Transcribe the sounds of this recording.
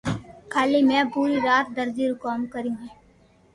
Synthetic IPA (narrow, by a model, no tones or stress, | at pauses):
kʰaːlimẽpuːɾiɾaːt̪̚d̪ɐɾd͡ʒiɾʊkaːmkəɾĩɛː